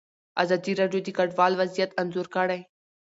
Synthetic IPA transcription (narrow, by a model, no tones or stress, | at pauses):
a̰ːzaːd̪iːɾaːɖjoːd̪iːkɐɖʋaːlʋɐzijət̪ɐnzoːɾkaːɽaĩ